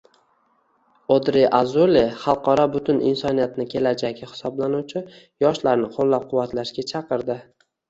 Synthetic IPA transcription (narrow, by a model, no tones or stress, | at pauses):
od̪ɾeʔazoleχɑlˠqɒɾɒbʊt̪ʰʊnɪ̰nsɒnijat̪nɪkʲʰe̞lad͡ʒakʲahɪ̥sɒblanuwt͡ʃʰɪ | jɒʃlaɾnɪqʰolˠːap̚qʰʊwːat̪laʃɡʲat͡ʃʰɑqɨɾd̪ɪ